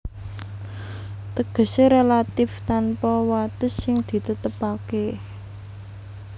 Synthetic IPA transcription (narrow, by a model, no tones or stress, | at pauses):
t̪əɡ̥ə̤seɾelat̪ɪft̪anpɔwat̪ʊsːɪŋd̪̥i̤t̪ət̪əpake